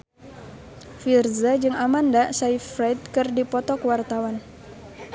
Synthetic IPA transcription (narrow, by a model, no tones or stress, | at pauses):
firzad͡ʒɨŋamandasaifɾajd̪̚kɨrdipɔt̪ɔkəwart̪awan